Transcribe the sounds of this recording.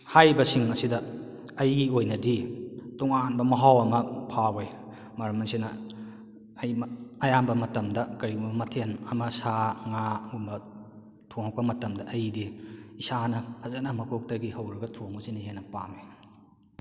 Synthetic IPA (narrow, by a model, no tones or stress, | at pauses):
hajbɐsiŋɐsidɐ | ɐjɡiojnɐdituŋanbɐmɐɦawɐmɐpʰawej | mɐɾɐmɐnsinɐ̰ | ɐjmɐjambɐmɐtɐmdɐkɐɾiubɐmɐtʰenɐmɐsaŋaunbɐ | tʰuŋak̚pɐmɐtɐmdɐʔɐjdiisanɐpʰɐzanɐmɐkʰok̚tɐɡihɐwɾɐɡɐtʰoŋusinihenːɐpame